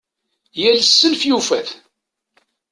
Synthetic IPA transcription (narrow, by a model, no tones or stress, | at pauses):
jælsːəlfjufæθ